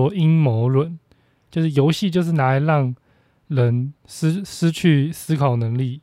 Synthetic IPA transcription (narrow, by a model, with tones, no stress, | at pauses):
ɔ˦i˦nmo˨˧˥ʊlwə˨˩˦n | t͡ɕjo˥˧ʊʂɻ̩˥˩jo˧˦ʊɕi˥˨˧t͡ɕjo˥˧ʊʂ̬ɻ̩˥˩na˧˥a˧˦ɪɻɑ˥˩ŋ | ɻə˧˦˥nʂ̩˥ʂɻ̩˥t͡ɕʰy˥˨sɹ̩˥kʰɑ˨˩ʊnə˧˥ŋli˥˨